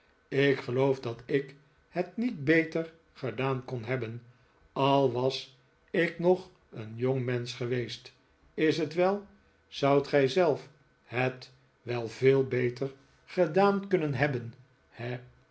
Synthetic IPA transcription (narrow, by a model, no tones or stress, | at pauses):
ɪkχəlowfdɑtɪk | hətnit̚bejtəɹ | χədaːnkɔnɦɛbən | ɑlˠʋɑs | ɪknɔχ | ənjoŋmɛnsχəʋejst | ɪsɦətʋɛlˠ | z̥ʌwtχɛjzɛlˠf | ɦət | ʋɛlˠvɪːlˠbejtəɹ | χədaːnkɵnənɦɛbən | hɛ